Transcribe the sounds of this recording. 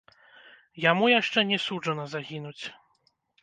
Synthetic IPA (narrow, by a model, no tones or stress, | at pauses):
jamujaʂt͡ʂɛnʲɛsud͡ʐɐnɐzaɣʲinut͡sʲ